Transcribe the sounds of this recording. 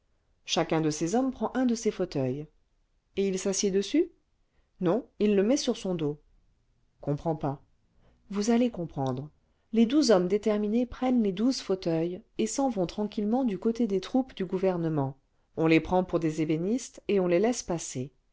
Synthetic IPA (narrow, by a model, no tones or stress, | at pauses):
ʃakɛ̃d̪əsezɔmpχɑ̃ʔɛ̃d̪əsefot̪œj | eilsasid̪əsy | nɔ̃ilːəmɛsyʁsɔ̃d̪o | kɔ̃pχɑ̃pa | vuzalekɔ̃pχɑ̃d̪ʁ | led̪uzɔmd̪et̪ɛʁminepχɛnled̪uzfot̪œjesɑ̃vɔ̃t̪χɑ̃kʲilmɑ̃d̪ykot̪ed̪et̪χupd̪yɡuvɛʁnəmɑ̃ | ɔ̃lepχɑ̃puʁd̪ezebenist̪eɔ̃lelɛspase